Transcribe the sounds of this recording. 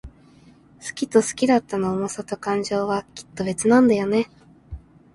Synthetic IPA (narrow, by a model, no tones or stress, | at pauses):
sɨ̥kʲit̪o̞sɨ̥kʲid̪at̪ːanoːmosat̪o̞kãɲ̟d͡ʑo̞ːβakʲi̥t̪ːo̞be̞t͡sɨnãnd̪ajo̞ne̞